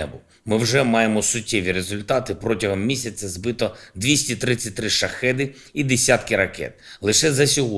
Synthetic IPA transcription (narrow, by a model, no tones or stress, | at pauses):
ɛbʊ | mɪwʒɛmɑjemɔsʊtʲːɛʋʲiɾezʊlʲt̪ɑt̪ɪpɾɔtʲɐɦɔmːʲisʲɐt͡sʲːɐzbɪt̪ɔd̪ʋʲisʲtʲit̪ɾɪt͡sʲːɐt̚ʲt̪ɾɪʃɐxɛd̪ɪ | id̪esʲat̪kɪɾɐkɛ̰t̪lˠɪʃɛzɐsʲɔɦɔ